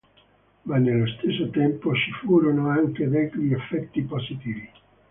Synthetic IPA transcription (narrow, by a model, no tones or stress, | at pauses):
manːelːost̪esːot̪ɛmpot͡ʃifuːɾonoaŋk̟ed̪ɛt̪ɾiefːɛt̪ːipozit̪iːvi